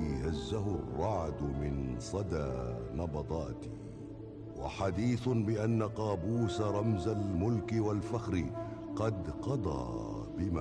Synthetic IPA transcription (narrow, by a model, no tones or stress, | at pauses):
hazːaɦʊrˤːɑʕd̪ʊmɪnsˤɑd̪aːnɑbɑd̪ˤɑːt̪i̥ | wa̰ħad̪iːθʊbɪʔanːaqɑːbuːsaɾˤɑmzalmʊlkɪwalfaxɾɪqɑd̪qɑd̪ˤɑ̰ː | bɪma